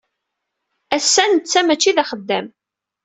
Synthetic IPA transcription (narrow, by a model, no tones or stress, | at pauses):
æsːænt͡sːæmæt͡ʃːiðæχəd̪ːæm